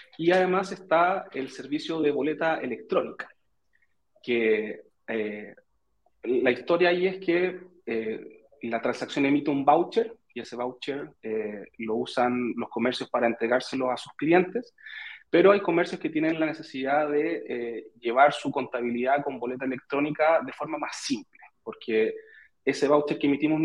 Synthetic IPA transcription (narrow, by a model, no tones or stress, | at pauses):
iaðe̞mase̞st̪aelse̞ɾβisjo̞ðeβo̞let̪aḛlek̚t̪ɾo̞nikḁ | ke | e | laist̪o̞ɾjaːieske | e | lat̪ɾansaksjo̞ne̞mit̪eumbawt͡ʃeɾ | ie̞se̞βawt͡ʃeɾelousanlo̞sko̞meɾsjo̞spaɾaent̪ɾe̞ɣaɾselo̞sasu̥sklijent̪espeɾoajko̞meɾsjosket̪jenenlanesesiðaðeeʝe̞βaɾsuko̞nt̪aβiliðako̞mbo̞let̪aele̞k̚t̪ɾo̞nikaðe̞fo̞ɾmamasimplepo̞ɾkʰe | eseβawt͡ʃeɾkemit̪imo